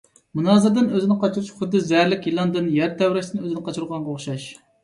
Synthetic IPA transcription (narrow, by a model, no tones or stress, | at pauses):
munɑːzɨɾd̪ɨnøzɪnɪqʰɑt͡ʃʰuɾuʃχʊd̪ːɨzɛɾlɪkʲjilˠɑnd̪ɨnjæɾt̪ʰɛwɾɪʃsɪnøzɪnɨqʰɑt͡ʃʰuɾʁɑnʁoχʃɑʃ